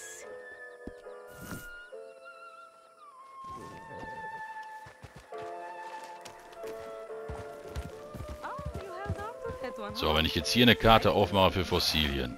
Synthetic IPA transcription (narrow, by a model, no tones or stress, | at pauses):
z̥ovɛnɪçjɛt͡sthiːɐnəkʰaɐtʰəʔaʊfmaχəfyːɐfɔsiːljə̰n